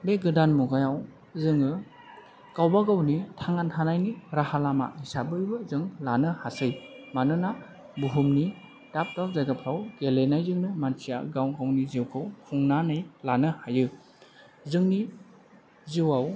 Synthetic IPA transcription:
beɡɯdanmuɡajaw | zɯŋɯ | kawbaɡawnitʰaŋantʰanajniɾahalama̰hisabɯibɯzɯŋlanɯhasɯj | manɯna | buɦumni | tap̚tawzajɡapʰawɡelenajzɯŋnɯmansija̰ɡawɡawniziwkʰɯwhʰuŋnanɯjlanɯhajɯ | zɯŋni | ziwaw

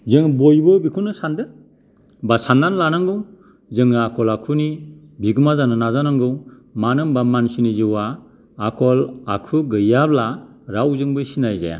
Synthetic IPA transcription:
zɯŋbojbɯbikʰunɯsandɯ | basandanlanaŋɡɯw | zɯŋakʰɔlakʰuni | biɡɯmazanɯnazanaŋɡɯw | manɯmbamansinizɯwaː | kʰɔlakʰuɡɯjablaɾawzɯŋbɯjsinajza̰ja̰

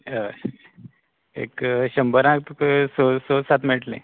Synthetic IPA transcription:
ə | ḛkɕəmbəɾãk̚t̪uksososat̪mɛʈlḛ̃

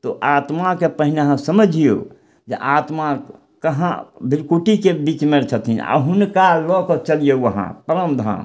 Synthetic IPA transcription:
t̪ɔʔat̪makepəɦineɦãsəməd͡ʒʱijo̰ | d͡ʒḛʔat̪ma | kəɦã̰bʱiɾkuʈikebit͡ʃmeɾt͡ʃʰət̪ina̰ɦunkalɔkɔt͡ʃəlijoəɦã̰pəɾəmd̪ʱa̰m

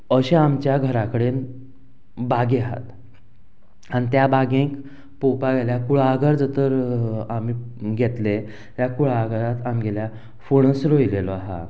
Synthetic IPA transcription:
əɕeamt͡ɕjaɡʱəɾakəɽen | baɡeaɦa̰t̪ | añit̪jabaɡẽk | popaɡeljakuɭaːɡəɾd͡zət̪əɾami | ɡʱet̪le | t̪jakuɭaɡəɾat̪amɡɛlja | foɳ̃əsɾoilelɔaɦa̰

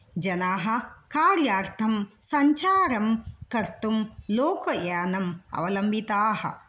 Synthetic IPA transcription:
d͡ʒɐnaːɦɐ̆kaːɾjaːɾt̪ʰɐmsɐɲt͡ʃaːɾɐmkɐɾt̪umloːkɐjaːnɐmɐ̰ʋɐlɐmbʱit̪aːhɐ̰

